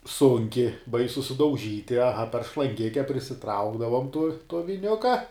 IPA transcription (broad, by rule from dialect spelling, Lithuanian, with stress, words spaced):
ˈsʊŋʲkʲɪ ˈbɐɪsʊ sʊdɐʊˈʒʲiːtʲɪ ɐˈɣɐ pʲɛr ʃlˠɐŋʲˈɡʲɪkʲɛ pʲrʲɪsʲɪˈtrɐʊɡdɐʋʊm tʊ tuɔ ʋʲɪˈnʲʊkɐ